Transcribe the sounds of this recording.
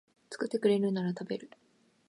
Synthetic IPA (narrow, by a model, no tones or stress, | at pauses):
t͡sɨ̥kɯ̟t̪ːe̞kɯ̟ɾe̞ɾɯ̟naɾat̪abe̞ɾɯ̟